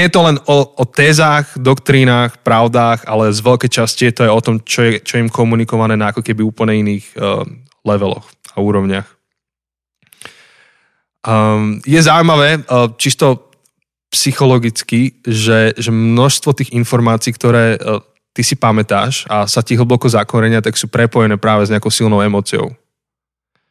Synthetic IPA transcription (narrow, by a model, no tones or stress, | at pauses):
ɲɛjɛt̪ɔlɛnɔɔt̪ɛːzaːɣd̪ɔkt̪ɾiːnaːxpɾaʊd̪aːɣalɛzʋɛʎkɛːt͡ʃascijɛt̪ɔajɔt̪ɔmt͡ʃɔjɛt͡ʃɔɛimkɔmunikɔʋanɛːnaakɔkɛbiuːpl̩ɲɛiniːɣ | lɛʋɛlɔ̰x | auːɾɔʊɲɪax | jɛzaʊmaʋɛːt͡ʃist̪ɔ | psixɔlɔɡit͡skiʒɛʒɛmnɔʃst̪ʋɔt̪iːɣinfɔɾmaːt͡siːkt̪ɔɾɛː | t̪isipamɛt̪a̰ːʃasat̪iɦl̩bɔkɔzakɔɾɛɲɪat̪aksuːpɾɛpɔjɛnɛːpɾaːʋɛzɲɛakɔʊsilˠnɔʊɛmɔːt͡siɔ̰ʊ